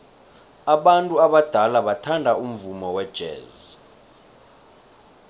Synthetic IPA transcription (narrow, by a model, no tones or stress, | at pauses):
aɓantʼuaɓad̥ʱalaɓatʰandʱaum̩vumɔwɛd̥ʒ̥ʱɛ̰ːzi